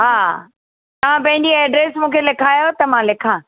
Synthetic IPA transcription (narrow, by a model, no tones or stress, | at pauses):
ɦaː | t̪ɐʋ̤ãpɐ̃ɦɪ̃ɲd͡ʑiɛːɖɾeːsmũːkʰelɪkʰaːjot̪ɐmãlɪkʰãː